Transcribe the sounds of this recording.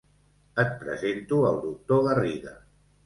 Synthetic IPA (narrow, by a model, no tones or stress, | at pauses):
ət̪̚pɾə̰zent̪uəlˠd̪uk̚t̪oɣəriðə̰